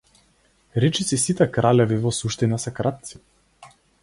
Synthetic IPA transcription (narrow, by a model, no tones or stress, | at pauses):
ɾɛt͡ʃisisit̪ɛkɾalɛvivɔsuʃt̪inasɛkɾat̪̚t̪si̥